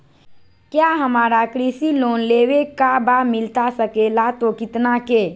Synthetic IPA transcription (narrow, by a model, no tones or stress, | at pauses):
kjaːɦɐmaːɾakɾiːsiloːnleːʋekabamɪlt̪asəkeːlat̪okɪt̪nakeː